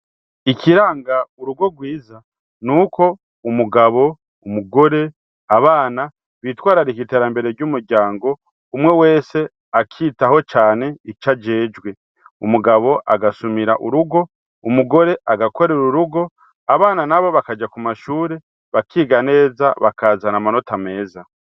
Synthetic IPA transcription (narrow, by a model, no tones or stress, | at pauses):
ikʰiɾaːŋɡauɾuɡo̞ɡwiːza | nuːko̞ | umuɡaβo̞ | umuɡo̞ɾe̞ | aβaːna | βiːtwaːɾaɾikiteɾambe̞ɾe̞ɾɟumuɾɟaːŋɡo̞ | umŋe̞we̞ːse̞ | akʰiːtaho̞t͡ʃaːne̞it͡ʃad͡ʒe̞ːd͡ʒɡwe̞ | umuɡaβo̞ʔaɡasumiɾaʔuɾuɡo̞ | umuɡo̞ɾe̞ʔaɡako̞ɾeɾuɾuɡo̞ | aβaːnanaβo̞βakad͡ʒakumaʃuːɾe̞ | βakʰiːɡane̞ːzaβakaːzanamano̞tame̞ːza